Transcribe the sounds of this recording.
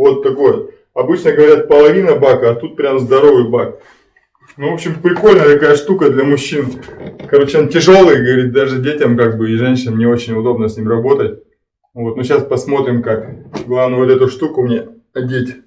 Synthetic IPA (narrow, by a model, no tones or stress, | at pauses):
vo̞t̪ːɐko̞jə | ɐbɨt͡ɕnəɡəvɐɾʲat̪̚pəlˠɐvʲinəbakəɐt̪ut̪̚pɾʲamzd̪ɐɾo̞vɨjbak̚ | nuvo̞pɕɪmpɾʲɪko̞lʲnəjət̪ɐkajəʂt̪ukəd̪lʲɐmʊɕːinkɐɾot͡ɕɪontʲɪʐo̞lˠɨjɡəvɐɾʲit̚ʲd̪aʐɨdʲetʲɐmkaɡ̚bɨɪʐɛnʲɕɪnnʲɪo̞t͡ɕɪnʲʊd̪o̞bnəsʲnʲimrɐbo̞t̪ət̚ʲ | vo̞t̪noɕaspɐsmo̞t̪ɾʲɪmkakɡlˠavnəvot̪ɛt̪ʊʂt̪ukʊmnʲe | ɐdʲetʲ